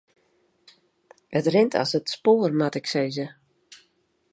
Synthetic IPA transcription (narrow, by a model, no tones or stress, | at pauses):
ətrɪntʰɔ̰sətspoːərmatɪkseːzə